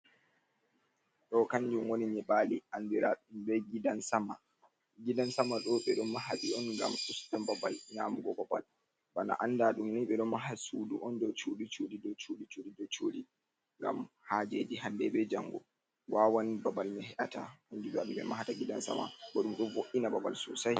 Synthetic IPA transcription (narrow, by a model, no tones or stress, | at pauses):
ɗɔkaɲd͡ʒumwoniɲɛɓaliʔandiɾaɗumbɛɡidansama | ɡidansamaɗɔɓɛɗɔnːaɦaɓiɔnŋɡa̰msustanbaba̰lɲamuɡɔbaba̰l | bana̰ʔandaɗumniɓɛɗɔmaɦasuduʔɔndɔt͡ʃuɗit͡ʃoɗidɔt͡ʃoɗit͡ʃoɗidɔt͡ʃoɗi | ŋɡa̰m | had͡ʒed͡ʒihandɛbɛd͡ʒaŋɡɔ | wawanibabalmɛhɛɗata̰and͡ʒid͡ʒaɗuɓɛ̰maɦataɡidansa̰ma̰ɓɔɗumɗɔnvoʔinababalsṵsaj